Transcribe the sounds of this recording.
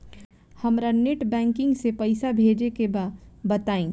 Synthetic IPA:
hɐmɾaneʈbɛ̃ːŋkɪ̃ŋɡsepɐɪsabʱeːd͡ʒekebabɐt̪aːẽː

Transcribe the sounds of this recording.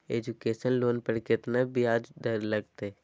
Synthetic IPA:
eːd͡ʒukeːʃənloːnpəɾkɪt̪nabʱiaːd͡ʒd̪əɾləɡt̪e

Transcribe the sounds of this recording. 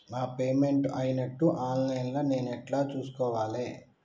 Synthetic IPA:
aːpe̞ːme̞ɳʈɐjinɐʈːuʔaːnlɐjnlɐne̞ːnɛʈlaːt͡ʃuːsu̥kɔːʋaːleː

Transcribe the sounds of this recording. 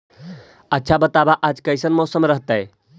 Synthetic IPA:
ətːʃʰabət̪abaʔad͡ʒkəjsənmɔsəmɾəɦt̪əj

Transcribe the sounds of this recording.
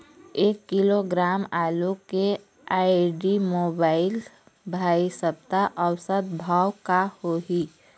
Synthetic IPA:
eːkːɪloɡɾaːmaːluke | aːɪɖimoːbaːɪl | bʱaːisəb̚t̪aʔɔwsət̪bʱaːwkahoɦiː

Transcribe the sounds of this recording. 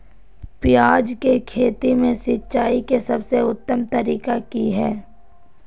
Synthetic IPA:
pɪjaːd͡ʒkekʰeːt̪imẽsɪtːʃaːikesɐbseʊt̪ːəmt̪ɐɾiːkakiɦɛː

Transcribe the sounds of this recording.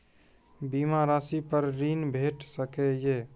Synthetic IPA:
bimaɾasipəɾɾiːnbʱeːʈsəkeje

